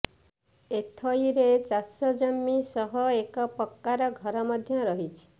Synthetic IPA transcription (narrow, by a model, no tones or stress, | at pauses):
et̪ʰɔiɾet͡ʃasɔd͡ʒɔmːisɔɦɔekɔpɔkːaɾɔɡʱɔɾɔmɔd̪ʱjɔɾɔɦit͡ʃʰi̥